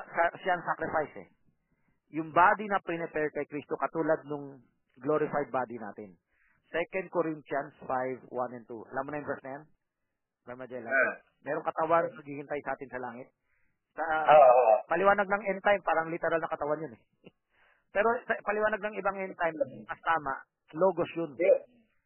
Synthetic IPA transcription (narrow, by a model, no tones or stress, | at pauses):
sɐʃaʔɐŋsakɾɪfajsɛ̰ | jʊŋbaːd̪inɐpɾɪnɛpɛɹkɐjkɾist̪okɐt̪uːlɐd̪̚nʊŋ | ɡloɾɪfajd̪̚baːd̪ina̰ːt̪ɪn | sɛkɐnd̪̚koɾint̪ɐnsfajvwanɛnt̪ṵɐ̰laːmonɐjʊnbɛɹsnɐjan | bɛmɐd͡ʒɛlɐ | mɛːɾoŋkɐt̪ɐwannɐɡiːhɪnt̪ajsɐʔaːt̪ɪnsɐlaːŋɪt̪̚ | sɐ | pɐlɪwaːnɐɡ̚nɐŋʔɛnt̪ajmpaːɾɐŋlɪt̪ɛɾalnɐkɐt̪ɐwanjonɛ | pɛːɾo̞sɐpɐlɪwaːnɐɡ̚nɐŋɪbaŋɛnt̪ajmmɐst̪aːmɐʔ | loːɡosjon